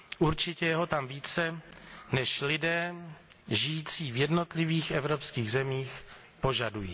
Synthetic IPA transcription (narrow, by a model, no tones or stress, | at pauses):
ʔuɾt͡ʃɪcɛjɛɦot̪amviːt͡sɛnɛʃlɪdɛː | ʒɪjiːt͡siːvjɛdno̞t̪lɪviːxʔɛvɾopskiːɣzɛmiːx | po̞ʒadujḭː